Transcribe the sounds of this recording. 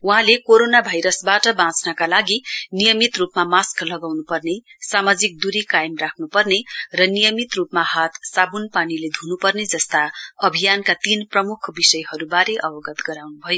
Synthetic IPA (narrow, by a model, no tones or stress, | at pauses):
uɦãlekoɾonabʱajɾʌsbaʈʌbãt͡snʌkalaɡinijʌmit̪rupmamasklʌɡawnupʌrnesamad͡zik̚d̪uɾikajmrakʰnupʌrnerʌnijʌmit̪rupmahat̪ʰsabunpaniled̪ʱunupʌrned͡zʌst̪aʌbʱijankat̪inprʌmukʰbisʌjhʌɾubaɾeʔʌbʌɡʌt̪ɡʌɾawnubʱʌjo